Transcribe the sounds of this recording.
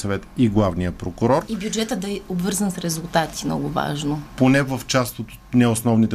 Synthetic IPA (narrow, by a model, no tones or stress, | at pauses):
sɐvɛt̪iɡlˠavnijəpɾokʊɾɔɾibjud͡ʒɛt̪əd̪ɐɛobvɤɾzənsɾɛzulˠt̪at̪i̥mnɔ̰ɡʊva̰ʒnoponɛvəft͡ʃast̪ot̪ | nɛosnɔvnit̪ɛ